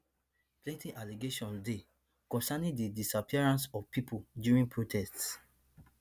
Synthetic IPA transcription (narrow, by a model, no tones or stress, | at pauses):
plẽntĩnʔaliɡeʃɔ̃nde | kɔ̃nsanĩdidisapʰiaɹãnsɔvpipʰodjuɹĩnpʰɹotʰɛst